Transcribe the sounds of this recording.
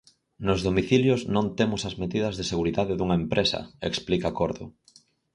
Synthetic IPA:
nozðomiθiljoznõnt̪emʊsɐzmeðiðɐzðeseɣuɾiðaðeðuŋɐempɾʔesɐ̰eksplikakoɾðʊ̰

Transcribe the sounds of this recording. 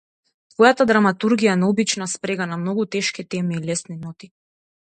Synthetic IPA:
t̪vɔjat̪ad̪ɾamat̪uɾɡijaɛnaɔbit͡ʃnaspɾɛɡanamnɔɡut̪ɛʃkit̪ɛmiːlɛsninɔt̪i

